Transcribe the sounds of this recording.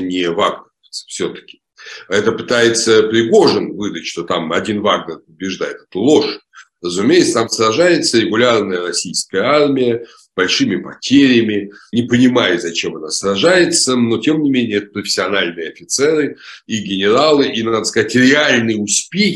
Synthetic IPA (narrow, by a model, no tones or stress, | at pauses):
nʲɪvaɡnʲər | sfsʲot̪ə̥kʲɪ̥ | ɛt̪əpɨ̥t̪ajɪt̪səpɾʲɪɡo̞ʐɨnvɨd̪ətʲʂt̪o̞t̪amɐdʲinvaɡnʲərpəbʲɪʐd̪ajɪt̪ɛ̥t̪əlˠo̞ʂ | rəzʊmʲejɪt̪st̪amsɾɐʐajɪt̪səɾʲɪɡʊlʲarnəjəɾɐsʲijskəjəarmʲɪjə | b̥ɐlʲʂɨmʲɪpɐtʲeɾʲɪəmʲɪnʲɪpənʲɪmajʊzɐt͡ɕemɐnasrɐʐajɪt̪səno̞tʲe̞mnʲɪmʲenʲɪjəɛt̪ə̥pɾəfʲɪ̥sʲɪɐnalʲnɨjəɐfʲɪt̪sɛɾɨiɡʲɪnʲɪɾalˠɨʔinad̪əskɐzatʲɾʲɪalʲnɨjʊsʲpʲe